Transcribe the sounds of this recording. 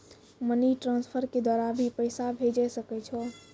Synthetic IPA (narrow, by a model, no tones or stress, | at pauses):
məniʈɾãnspʰəɾked̪waɾabʱipəɪsabʱed͡ʒɛsəkɛt͡ʃʰɔ